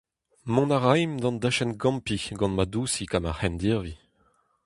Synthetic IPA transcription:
mɔ̃naʁajmd̪ɑ̃nd̪aʃɛnɡɑ̃mpiɡɑ̃nmad̪usikamahɛnd̪iʁvi

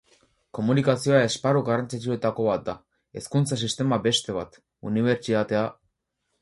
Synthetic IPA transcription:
ko̞munikasio̞ae̞spaɾuɣaɾrant͡sit͡ʃue̞t̪ako̞βat̪̚d̪a | e̞skunt͡sas̬ist̪e̞mabe̞st̪e̞βa̰t̪ | ṵniβ̞e̞ɾt͡sit̪at̪e̞a

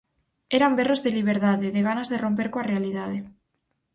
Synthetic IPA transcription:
eɾamberozðeliβ̞eɾðaðeðeɣ̞anazðeromp̬eɾkoarealiðað̞e

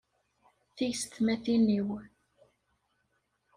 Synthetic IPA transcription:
θijst̪mæθiniw

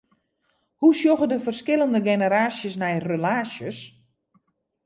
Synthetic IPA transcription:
husjoɣədəfərskɪləndəɡenəɾaːsjəsnɛjrølaːsjəs

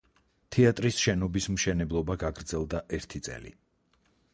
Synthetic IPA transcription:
t̪ʰɛat̪ʼɾisʃɛnɔbismʃɛnɛblˠɔbaɡaɡɾd̪zɛlˠd̪aʔɛɾt̪ʰit̪sʼɛ̰lḭ

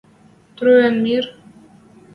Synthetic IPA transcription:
t̪ɾuɛnmiɾ

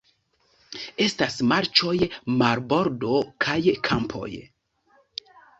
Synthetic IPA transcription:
e̞stasmaɾt͡ʃo̞jmaɾbo̞ɾdo̞kʰajkʰampʰo̞̰j

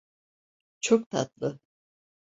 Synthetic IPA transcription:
t͡ʃʰok̚t̪ʰa̰t̪lˠɯ

